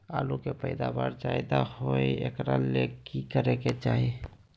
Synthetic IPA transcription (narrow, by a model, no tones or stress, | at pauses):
a̰ːlukepəɪd̪abaɾd͡ʒaɪd̪ahoiḛkɾalekikəɾeket͡ʃaːɦi